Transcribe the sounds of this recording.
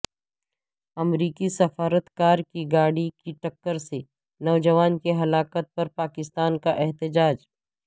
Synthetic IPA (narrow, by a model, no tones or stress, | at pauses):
ɐmɾiːkisɐfaːɾət̪kaːɾkiɡaːɽikiʈɐkːəɾse | nɔːd͡ʒɐʋaːnkeɦɐlaːkət̪̚pɐɾpaːkɪst̪aːnkaʔɛɦt̪ɪd͡ʒaːd͡ʒ